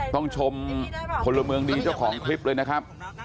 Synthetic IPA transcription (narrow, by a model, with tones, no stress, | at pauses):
t̪ɔ˥˩ŋt͡ɕʰo˧mpʰo˧lːa˧mɯ˧əŋdiː˧t͡ɕa˥˩wkʰɔː˩˦ŋkʰɾi˦˥p̚lɤː˧jna˦˥kʰa˦˥p̚